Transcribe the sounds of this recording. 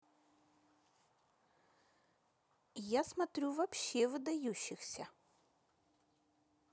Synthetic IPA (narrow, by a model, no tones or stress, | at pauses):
jasmɐt̪ɾʲuvɐpɕːevɨd̪ɐjuɕːɪxsʲɐ